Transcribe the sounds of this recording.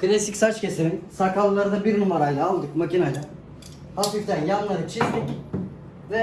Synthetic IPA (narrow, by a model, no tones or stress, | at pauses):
kɯnesicʲsat͡ʃcʰʲe̞siɾinsakalˠlˠaɾɯd̪abiɾnumaɾajlˠaːlˠd̪ɯkmacinajlˠa | hafift̪ænjanːˠaɾɯt͡ʃʰizd̪ic | vɛ